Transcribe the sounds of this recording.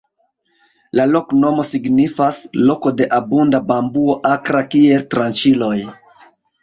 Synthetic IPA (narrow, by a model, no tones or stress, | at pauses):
lalo̞kno̞mo̞siɡnifaslo̞ko̞de̞ʔabundabambuo̞ʔakɾakie̞ltɾant͡ʃilo̞j